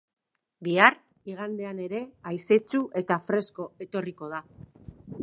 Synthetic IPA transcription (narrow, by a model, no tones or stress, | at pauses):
biar | iɣand̪e̞ane̞ɾe̞ajse̞t͡ʃuʔe̞t̪afɾe̞sko̞e̞t̪o̞riko̞ða